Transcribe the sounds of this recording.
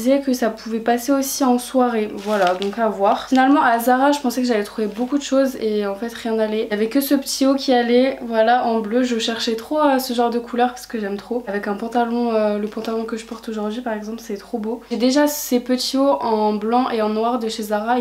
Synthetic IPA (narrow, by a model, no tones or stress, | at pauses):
zɛkəsapʰuvɛpaseosiɑ̃swaʁevwalad̪ɔ̃kavwaʁfinalmɑ̃ʔazaʁaʒəpɑ̃sɛkəʒalɛt̪χuvebokud̪əʃozeɑ̃fɛt̪ʁjɛ̃nalɛjavɛkəsəpə̥t̪ʰiokʲialɛvwalaʔɑ̃bløʒəʃɛʁʃɛt̪χoasəʒɑ̃ʁd̪əkʰulœʁpḁsə̥kəʒɛmt̪χoavɛkɛ̃pɑ̃t̪alɔ̃øləpɑ̃t̪alɔ̃kəʒəpɔʁt̪oʒuʁd̪ɥipaʁɛɡzɑ̃plset̪ɛt̪χoboɛd̪eʒasepət̪ʰioʔɑ̃blɑ̃ʔeɑ̃nwaʁd̪əʃezaʁa